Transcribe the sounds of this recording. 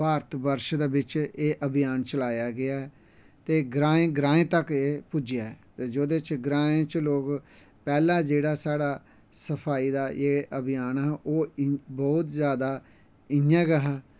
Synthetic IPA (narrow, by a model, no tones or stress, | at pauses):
paːɾt̪ʰbəɾʃd̪eːbɪt͡ʃeːʔəbɪjaːnt͡ʃəlaːjaːɡɪaːɛ | t̪eːɡɾãːẽːɡɾãːẽːt̪əkeːpʊd͡ʒɪjaːɛt̪eːd͡ʒoːd̪et͡ʃɡɾaːẽːt͡ʃloːk | pɛːlãːd͡ʒeːɽaːsaːɽaː | səpʰaːiːd̪aːʔeːʔəbɪjaːnɛːʔoːbɔːt̪zjaːd̪aː | ɪjãːɡəɦaː